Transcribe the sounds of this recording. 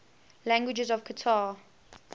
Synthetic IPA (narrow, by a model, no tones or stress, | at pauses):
læ̃ŋɡwɪd͡ʒəzɔv̥kʰətʰaː